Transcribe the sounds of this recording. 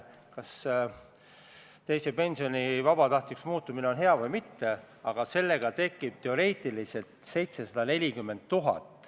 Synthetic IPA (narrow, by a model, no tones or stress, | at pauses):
kɑs | t̪e̞jsepe̞nsio̞nʲivɑbɑt̪ɑht̪iksmuːt̪ːˑumine̞o̞nɦe̞ɑvɤjmit̪ːe̞ | ɑɡ̥ɑse̞lːe̞ɡ̥ɑt̪e̞kːˑib̥̚t̪e̞o̞ɾe̞ːt̪ˑilise̞lt̪se̞jt̪se̞sɑd̪̥ɑne̞lʲikymːe̞nd̪̚t̪uɦɑ̰t̪ːˑ